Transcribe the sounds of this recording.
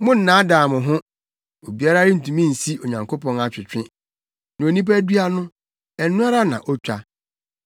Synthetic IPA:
mʊ̃˦n̩˦nã˨˦daː˨mʊ̃˨ɦʊ̃˦ | o˨bi˨˦a˦ɾa˦ɾɪ˦n̩˨tũ˨mĩ˦˨n̩˨si˦o˨ɲã˨ŋkʰo˦pɔ̃˦na˨t͡ɕᶣɪ˨t͡ɕᶣɪ̃˦ | nã˨o˨nĩ˦p̬æ˦dɥa˦nʊ̃˦ | ɛ˨n˦nʊ̃˦a˦ɾa˦nã̰˨ʔɔ˦t͡ɕᶣa˦

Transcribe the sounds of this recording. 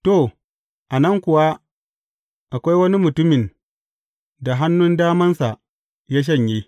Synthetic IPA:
to˦˨ | ʔa˨nɐ˦ŋkʷʊ˨wa˦ | ʔa˨kʷa˦jwɐ˦ni˦mʊ˨tʊ˦mɪ˨n | da˨ɦa˦nːʊ˦ndaː˦mɐ˦nsa˨ | jaː˦ʃ̬ɐ˦ɲji˦

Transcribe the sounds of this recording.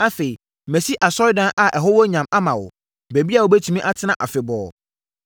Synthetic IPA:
a˦fe˨i˨ | mɛ̃˨si˦ʔa˨sɔ˦ɪ˦dã˦ʔa˨ʔɛ˨ɦo˦wo˦ɲã˨ma˦mã˨wʊ̰˨ | bæ˨bi˦a˨wo˨bɛ˦tʰu˨mĩ˦ʔa˦tʰɪ˦nã˨ʔa˨fɪ˨bɔː˨

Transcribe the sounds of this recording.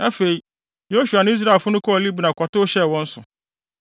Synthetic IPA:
a˦fe˨i˨ | jo˦ɕu˨a˨ñ˦i˦s̬ɾa˨fʊ˦nʊ̃˦kʰɔ˦ɔ˨li˦bnã˨kʷʰɔ˨tʊ˦ɕɛ˦˨wɔ̃˦n̩˦sʊ˨

